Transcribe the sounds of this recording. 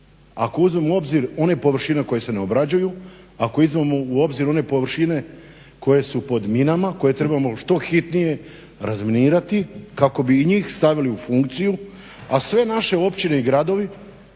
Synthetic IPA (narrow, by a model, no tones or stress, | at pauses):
a̰ko̞uzme̞muo̞bziɾo̞ne̞po̞ʋr̩ʃine̞ko̞je̞se̞neobɾad͡ʑuju | ako̞izmamo̞uo̞bziɾo̞ne̞po̞ʋɾʃine̞ | ko̞je̞supo̞d̪minamako̞je̞t̪ɾe̞bamo̞ʃt̪o̞xit̪nije̞ | ɾazminiːɾat̪ikako̞biːɲiːxst̪aʋiliufuŋkt̪siju | asʋe̞naʃe̞o̞pt͡ɕine̞iɡɾad̪o̞ʋi